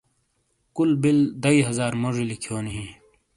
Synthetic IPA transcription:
kulbild̪ɐiɦɐzaːɾmoʐilikʰjoːniɦiː

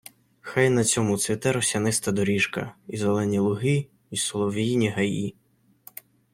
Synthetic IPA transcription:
xajnɐt͡sʲɔmusʲʋʲit̪ɛɾɔsʲɐnɪst̪ɐd̪ɔɾʲiʃkɐ̰izelˠɛnʲilˠʊɦɪ | isɔlˠɔʋʲijinʲiɦɐji

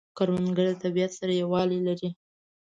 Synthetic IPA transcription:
kaɾmanɡəɽd̪ət̪abijat̪saɾajawɑlilaɾi

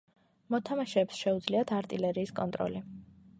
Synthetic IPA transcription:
mɔt̪ʰamaʃɛːpsʃɛud̪zliat̪ʰaɾt̪ʼilɛɾiːskʼɔnt̪ʼɾɔ̰li

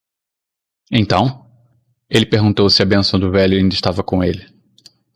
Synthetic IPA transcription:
ẽt̪ɐ̃w̃ | elɪpeɦɡũnt̪owsɪɐbẽsɐ̃w̃d̪ʊvɛʎʊẽd̪ɪʃt̪avɐkõelɪ

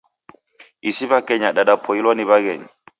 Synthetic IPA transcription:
isibakɛɲaɗaɗapʰɔjilwɔniβaɡɛ̰ɲ

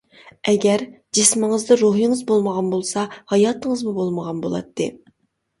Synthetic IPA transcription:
ɛɡʲɛɾ | d͡ʒɪsmɪŋəzd̪ɨɾoɦiŋɨzbolˠməʁɑnbolˠsɑhɑjɑt̪əŋəzmubolˠməʁɑnbo̰lˠɑ̰t̪ʰːɨ̰

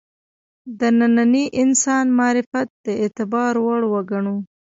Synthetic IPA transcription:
d̪ənananiʔɪnsɑnmɑɾɪfat̪̚d̪̥əet̪ɪbɑɾwaɽwəɡaɳu

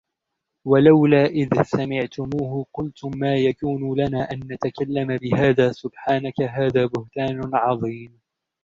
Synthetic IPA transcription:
walawlaːʔɪðsamɪʕt̪ʊmuːɦʊqʊlt̪ʊmːaːjakuːnʊlanaːʔanːat̪akalːamabɪɦaːðaːsʊbħaːnakaɦaːðaːbʊht̪aːnʊʕɑðˤiːm

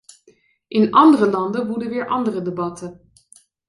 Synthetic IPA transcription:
ʔɪnɑndərəlɑndəʋudəʋɪːɹʔɑndərədebɑtən

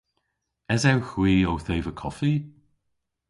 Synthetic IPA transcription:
ɛzawxwiːowθejvəkʰɔfi

